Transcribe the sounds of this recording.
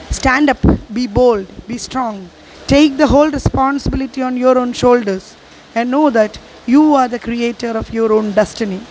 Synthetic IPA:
sʈæ̃ɳɖʌpbiːboːlɖbiːsʈɾɔ̃ːŋ | ʈeːk̚d̪əɦoːlɾɛspɔ̃ːnsɪbɪlɪʈiɔ̃ːnjoːɾõːnʃoːlɖəɾs | ɛ̃ɳɖnoːd̪æʈ | juːaːɾd̪əkɾieːʈəɾɔfjɔːɾõːnɖɛsʈɪni

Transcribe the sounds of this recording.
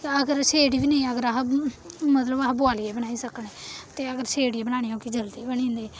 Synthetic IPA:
əɡəɾseːɽiːʋiːnəĩːəɡəɾəɦ | mət̪ləbəɦboaːlieːbənaːiːsəkneːt̪eːəɡəɾseːɽieːbəɽ̃aːɽ̃iːoːkid͡ʒəld̪iːbənĩːnd̪eː

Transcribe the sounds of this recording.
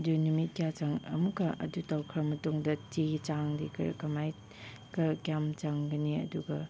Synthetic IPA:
dunumit̚kijat͡ʃaŋɐ̰mukːɐʔɐ̰dutawkʰɾɐmɐtuŋdɐtit͡ʃaŋdikʰɐ̰ɾ̰kɐmaj | kɐkijamt͡ʃaŋɡɐniɐ̰duɡɐ

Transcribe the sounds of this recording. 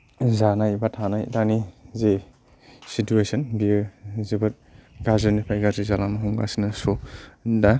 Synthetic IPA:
zanajbatʰanajdanize | situesɐnbizibɐɾ | ɡazenipʰajɡazizalamɐɦuŋɡa̰sinɐsoda

